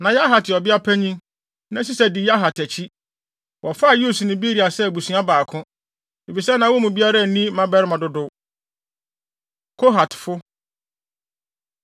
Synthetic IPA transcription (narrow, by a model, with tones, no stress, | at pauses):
nã˨ja˦ɦa˨tʰɪ˨ɔ˨bɪ˦a˦pʰæ˦ɲĩ˦ŋ | nã˦s̬i˦sɛ˦dɪ˨ja˦ɦa˨tʰæ˨t͡ɕʰi˦ | wɔ˨fa˦˨juː˦˨su˨nɪ̃˦bi˦ɾi˨a˨sɛ˦˨bu˨sũ˨˦a˦baː˨kʰʊ̃˦ | e˨fi˨sɛ˦nã˨wɔ˦mũ˨bi˦a˦ɾa˦˨nĩ˦mã˦bɛ˦ɾɪ˦mã˨dʊ˦dʊ˦ | kʰo˦ɦa˨tʰfʊ˦